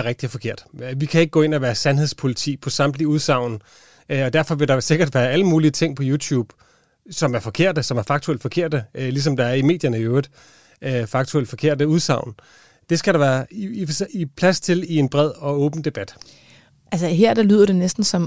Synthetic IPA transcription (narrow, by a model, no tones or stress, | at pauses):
æɐʁeɡ̚d̥iɒfɒ̽kʰe̝ɐ̰d̥ʋikʰæe̝ɡ̥əɡɔ̰̽ːe̝n̰ɒʋæːɐsænheðˠspʰo̝lit͡sʰḭːpʰɒ̽sɑ̈md̥liuð̞ˠsɑ̈ʊ̰n | ɒ̽d̥æɐ̰fɒ̽ʋe̝ɾ̥ɑ̈se̝ɡ̥ɐd̥ʋæːɐæləmuːliət͡sʰe̝ŋ̰pʰɒ̽juːt͡sʰuːb̥ | sɒ̽mæɐfɒ̽kʰe̝ɐ̰d̥əsɒ̽mæɐfɑ̈ɡ̥̚t͡sʰueld̥fɒ̽kʰe̝ɐ̰d̥əlis̬ɒ̽md̥ɑ̈æɐime̝̰ːd̥jɐnəøːð̥ˠ | fɑ̈ɡ̥̚t͡sʰuel̰d̥fɒ̽kʰe̝ɐ̰d̥əuð̞ˠsɑ̈ʊ̰n | d̥e̝sɡ̥æɾɑ̈ʋæːɐsipʰlæst͡sʰe̝lie̝nb̥ʁɛð̞̰ˠɒ̽ɔ̽ːb̥n̩d̥e̝b̥æd̥ | ʔælsəɦeɐ̰d̥alyð̞̰ˠɐɾ̥e̝nesd̥n̩sɒ̽m